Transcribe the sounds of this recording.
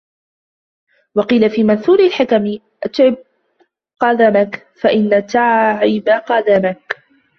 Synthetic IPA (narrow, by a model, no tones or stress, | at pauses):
wɑqiːlafiːmanθuːlɪlħɪkam | ʔat̪ʕɪb̚ | qɑd̪amak | faʔɪnːat̪aʕʕɪbaqɑd̪amak